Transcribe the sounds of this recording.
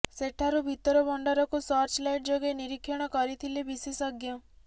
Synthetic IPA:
seʈʰaɾubʱit̪ɔɾɔbɔɳɖɔɾɔkusɔɾt͡ʃlajʈd͡ʒoɡeniɾikʰːjɔɽ̃ɔkɔɾit̪ʰilebisisɔɡjɔ

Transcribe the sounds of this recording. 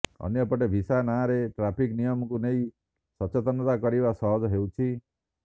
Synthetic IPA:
ɔ̰njɔpɔʈebʱisanaɾeʈɾapʰiknijɔmɔkuneĩ | sɔt͡ʃɔt̪ɔnɔt̪akɔɾibasɔɦɔd͡ʒɔɦewt͡ʃʰi

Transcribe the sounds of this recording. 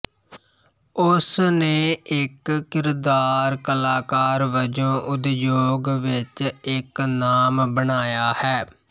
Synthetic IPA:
ʊsneːɪkːɪɾd̪aːɾkəlaːkaːɾʋəd͡ʒõːʔʊd̪joːɡʋɪt͡ʃɪknaːmbəɳaːjaːhɛː

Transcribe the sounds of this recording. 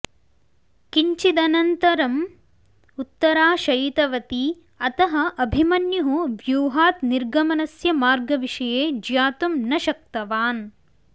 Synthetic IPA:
kiɲt͡ʃid̪ɐnɐnt̪ɐɾɐm | ut̪ːɐɾaːʃɐjit̪ɐʋɐt̪i | ɐt̪ɐɦɐʔɐbʱimɐnjɐɦuʋjuːɦaːt̪niɾɡɐmɐnɐsjɐmaːɾɡɐʋiʂɐjeːd͡ʒjaːt̪umnɐʃɐk̚t̪ɐʋaːn

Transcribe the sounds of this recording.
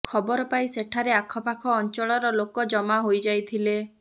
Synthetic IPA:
kʰɔbɔɾɔpaĩseʈʰaɾeakʰɔpakʰɔːnt͡ʃɔɭɔɾɔlokɔd͡ʒɔmaɦojd͡ʒajt̪ʰile

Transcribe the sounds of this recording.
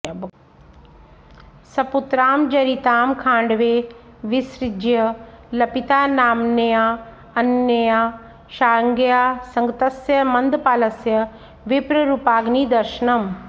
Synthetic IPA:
b | sɐput̪ɾaːmd͡ʒɐɾit̪aːmkʰãːɳɖʋeː | ʋɪsɾɪd͡ʒjɐlɐpit̪aːnaːmnɐjaː | ɐnjɐjaː | ʃaːɾŋɡjaːsɐ̃ŋɡt̪ɐsjɐmɐnd̪paːlɐsjɐ | ʋɪpɾɐɾuːpaːɡniːd̪ɐɾʃɐnɐm

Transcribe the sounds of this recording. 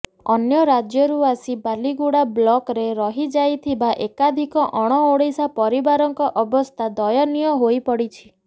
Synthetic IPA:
ɔnjɔɾad͡ʒjɔɾuasibaliɡuɽablɔkɾeɾɔɦid͡ʒajt̪ʰibaʔekad̪ʱikɔʔɔɽ̃ɔoɽesapɔɾibaɾɔŋkɔʔɔbɔst̪ʰad̪ɔjɔnijɔɦoipɔɽit͡ʃʰi̥

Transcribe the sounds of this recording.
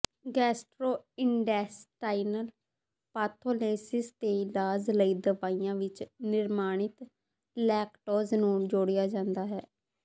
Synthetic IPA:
ɡɛːsʈɾoːɪɳɖɛːsʈaːinəl | paːt̪ʰoːleːsɪst̪eːlaːzləiːd̪əʋaːijãːʋɪt͡ʃnɪɾmaːɳ̃ɪt̪ | lɛːkʈoːznũːd͡ʒoːɽɪjaːd͡ʒãːnd̪aːɦɛː

